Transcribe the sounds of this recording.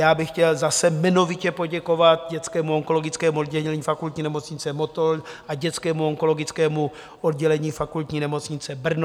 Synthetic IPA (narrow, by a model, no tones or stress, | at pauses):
jaːbɪxcɛlzasɛmɛnovɪcɛpo̞ɟɛko̞vat̪̚ɟɛt͡skɛːmuoŋko̞loɡɪt͡skɛːmuod̪ɟɛlɛɲɛlɛɲiːfakult̪ɲiːnɛmo̞t͡sɲɪt͡sɛmo̞t̪oɾʔaɟɛt͡skɛːmuoŋko̞lo̞ɡɪt͡skɛːmu | ʔod̪ɟɛlɛɲiːfakult̪ɲiːnɛmo̞t͡sɲɪt͡sɛbr̩n